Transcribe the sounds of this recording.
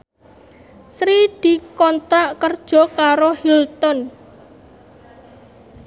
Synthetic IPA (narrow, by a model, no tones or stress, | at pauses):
sɾid̪̥i̤kɔnt̪aʔkərd̥ʒ̥ɔ̤kaɾohilt̪ɔn